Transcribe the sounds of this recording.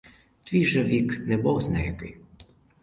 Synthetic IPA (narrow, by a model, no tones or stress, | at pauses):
t̪ʋʲiʒɛʋʲiknɛbɔwznɛjɛkɪj